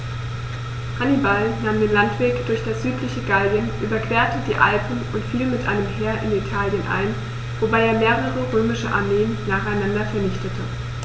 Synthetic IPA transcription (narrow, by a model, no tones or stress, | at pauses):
ʁanibalnaːmdeːnlantv̥eːkd̥ʊɐçd̥asz̥yːtlɪçəɡalbjənʔyːbɐkv̥eːɐtədiːʔa̰lpn̩ʔʊntfiːlmɪtʔa̰ɪnəmɦeːɐʔɪnitʰaːljənʔa̰ɪn | vobaɪeːɐmeːʁəʁəʁøːmɪʃəʔa̰ɐmeːənːaːχaɪnandɐfɛɐnɪçtətʰə